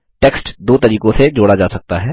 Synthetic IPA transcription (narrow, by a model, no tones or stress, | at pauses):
ʈeːksʈd̪oːt̪ɐɾiːkõsed͡ʒoːɽad͡ʒaːsɐk̚t̪aɦɛː